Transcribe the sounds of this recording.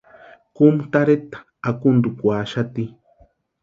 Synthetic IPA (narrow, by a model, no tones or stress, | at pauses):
kumt̪aɾet̪ḁ | akund̪ukʷaʃat̪i